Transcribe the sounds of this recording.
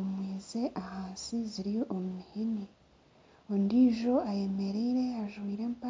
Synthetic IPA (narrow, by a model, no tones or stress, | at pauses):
omwiːze̞ʔahaːnsiziɾijoʔomumihini | ondiːʒo̞aje̞me̞ɾeɾe̞aʒwiːɾe̞ːmpa